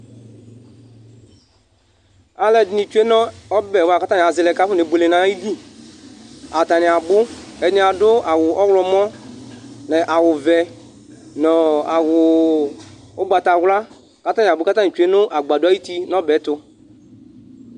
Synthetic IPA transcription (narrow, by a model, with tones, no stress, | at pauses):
a˨lɛ˨dɪ˨nɪ˨t͡ʃu˦e˦nɔ˦ɔ˦bɛ˨wa˨ka˦ta˦nɪ˨a˨zɪ˨lɛ˨ka˦fʊ˦ne˨˦be˨le˨nã˨˦ji˦li˦ | a˨ta˨nɪ˨a˨bʊ˦ɛ˨dnɪ̃˨˦a˨dʊ˦a˨wʊ˨ʔɔ˦wlɔ˨mɔ˦ | nɛ˨ʔa˨wʊ˨vɛ˨ | nɔ˨a˨wʊ˨ | ʊ˦ɡ͡ba˨ta˨ɣla˦ | ka˦ta˦nɪ˨bʊ˦ka˦ta˦nɪ˨t͡ʃu˨˦e˦nʊ˦ʔa˨ɡ͡ba˨dʊ˦a˦ji˦ti˦nɔ˦bɛ˨˦tʊ˧